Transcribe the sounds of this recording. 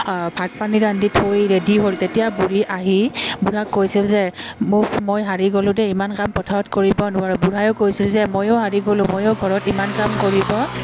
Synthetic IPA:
bʱat̚paniɹanditʰojɹedʱiɦoltetijabuɹiʔaɦibuɹakːojsilzɛmʊkmojɦaɹiɡolʊ̃tɛimankampɔtʰaɹɔtkoɹibɔnʊaɹɛbuɹajokojsilzɛmojoɦaɹiɡolʊ̃mojoɡʱɔɹɔtimankamkoɹibɔ

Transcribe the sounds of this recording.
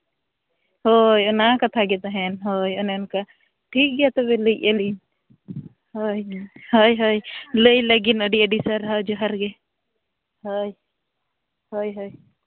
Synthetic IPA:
hojɔnakat̪ʰaɡɛt̪aɦɛnɦojɔnɛɔnka | ʈʰik̚ɡɛjat̪ɔβɛləjəlin | hojhojɦojləjləɡinəɖiəɖisəɾɦad͡ʒɔɦaɾɡɛ | hoj | hojɦoj

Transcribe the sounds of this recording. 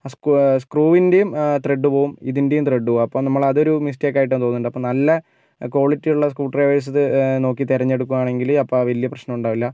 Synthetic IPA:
askskruːʋinde̞jumt̪reɖːɨpo̞ːɣumiðinde̞jumt̪reɖːɨpoːumɐpːoːmnɐmːɐɭɐðo̞ɾumis̬teːkːaːjiʈ̬ːɐːmt̪o̞ːnːuɳɖɐpːomnɐlːɐ | ko̞ːɭitːijuɭːɐskuːʈːreʋɐjɐs̬ɐðɨno̞ːkːit̪iɾɐɲːeɽukːuɣaːɳe̞ŋɡilɐpːɐʋɐlijɐprɐɕnɐmuɳɖaːʋilːɐ

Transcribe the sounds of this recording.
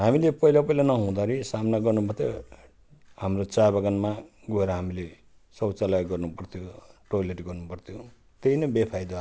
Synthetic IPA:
ɦamilepʌɦilapʌilanʌɦũd̪aɾisamnaɡʌrnumʌt̪ʌ | hamrot͡sabaɡanma | ɡʌeɾʌɦamile | sʌwt͡salaɡʌrnupʌrt̪ʰjoʈojleʈɡʌrnupʌrt̪ʰijo | t̪einʌbepʰajd̪o

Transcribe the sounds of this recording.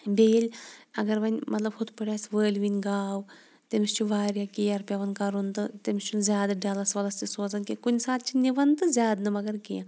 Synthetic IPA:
beːlʲɐɡɐɾʋɐnʲmɐt̪lɐbhut̪pɐɽʲjaːsʋəːlʲʋinʲɡaːw | t̪emist͡ʃʰuʋaːɾjakijɐɾpʲjɐʋɐnkɐɾunt̪ɨt̪emist͡ʃʰunzʲjaːd̪aɖaːlɐsʋɐlɐst̪isoːzɐnkikunʲsaːt̪̚t͡ʃʰinʲiʋɐnt̪ɨzʲaːd̪nɨmɐɡɐɾkijã

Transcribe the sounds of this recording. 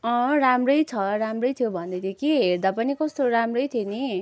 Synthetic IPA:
ʌ̃ramrʌjt͡sʰʌɾamrʌjt̪ʰijobʱʌnd̪ʌjt̪ʰekʰiɦeɾd̪apʌnikʌst̪oɾamrʌjt̪ʰeni

